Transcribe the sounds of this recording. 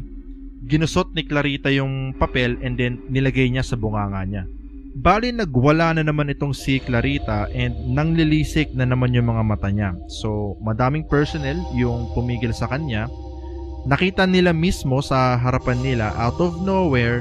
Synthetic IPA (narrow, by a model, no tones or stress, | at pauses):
ɡɪnʊsot̪̚nɪklɐɾiːt̪ɐjʊŋpɐpɛlɛnd̪ɛnːɪlɐɡajɲasɐbʊŋaːŋɐɲa | baːlɪnɐɡwɐlanɐnɐmanɪt̪o̞ŋsɪklɐɾiːt̪ɐʔɛnd̪̚nɐŋlɪliːsɪk̚nɐnɐmanjʊŋmɐŋamɐt̪aɲaso̞mɐd̪aːmɪŋpɛɹsonɛljʊŋp̪ʊmiːɡɪlsɐkɐnɲa | nɐkiːt̪ɐnɪlamismo̞sɐɦɐɾɐpanːɪlaʔawt̪ovnowɛɹ